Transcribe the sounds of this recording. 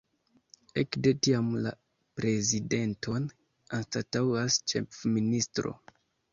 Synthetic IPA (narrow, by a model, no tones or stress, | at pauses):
ḛkde̞tiamla̰ | pɾe̞zide̞ntʰo̞n | anstatawast͡ʃe̞̰fministɾo̞̰